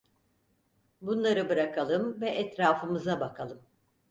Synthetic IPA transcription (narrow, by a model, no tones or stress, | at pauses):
bunlˠaɾɯbɯɾakʰalˠɯmvɛʔɛt̪ɾaːfɯmɯzabakʰalˠɯm